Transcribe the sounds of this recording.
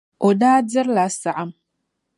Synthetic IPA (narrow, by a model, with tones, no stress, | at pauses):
ʔo˨daː˦d͡zɐ˦ɾla˨sa˨ʕa˨m